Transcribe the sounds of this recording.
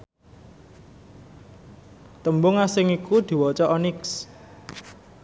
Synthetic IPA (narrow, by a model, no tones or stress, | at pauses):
t̪əmbʊŋasɪŋikud̪̥i̤wɔt͡ʃɔʔɔnɪks